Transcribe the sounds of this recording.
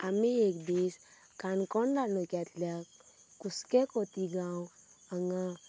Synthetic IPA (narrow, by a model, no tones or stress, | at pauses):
amiekd̪is | kankɔndalnɔkjat̪lja | kuskekot̪iɡaw | aŋa